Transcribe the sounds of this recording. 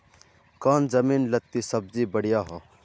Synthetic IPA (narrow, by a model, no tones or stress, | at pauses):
kaːnd͡ʒəmiːnlət̪ːisəb̚d͡ʒibəɽ̤ijaɦoː